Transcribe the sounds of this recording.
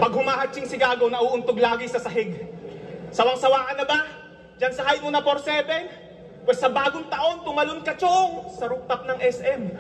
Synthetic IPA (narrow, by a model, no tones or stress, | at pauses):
pɐɡhʊmaːhɐt͡ʃːɪŋsɪɡaːɡonɐʔuːʔʊnt̪oɡlaːɡɪsɐsɐɦɪɡ | sɐwɐŋsɐwaːʔɐnɐba | d͡ʒɐnsɐhajmonɐpoɾsɛːbɛ | pwɛssɐbaːɡoŋt̪ɐʔo̞nt̪ʊmɐlonkɐt͡ʃoŋsɐɾʊk̚t̪ɐp̚nɐŋʔɛsʔɛm